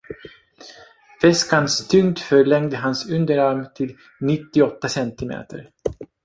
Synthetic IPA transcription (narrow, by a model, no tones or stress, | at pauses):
fɛskanst̪ʰʏŋt̪fœɭɛŋd̪əɦansɵnd̪əɾaɾmt̪ʰɪl | nɪt̪ːɪɔt̪ːasɛnt̪ɪmḛːt̪ə̰ɾ